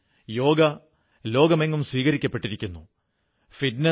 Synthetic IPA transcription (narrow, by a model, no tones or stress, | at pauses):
jo̞ːɡɐ | lo̞ːɡɐme̞ŋːumswiːɣɐɾikʲːɐpːe̞ʈːiɾikʲːunːu | fiɖne